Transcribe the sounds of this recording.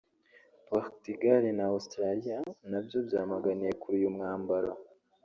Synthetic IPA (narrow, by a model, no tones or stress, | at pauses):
paχtiɡaɾinaustɾalijanabjo̞bjaːmaɡanije̞kuɾijumŋaːmbaɾa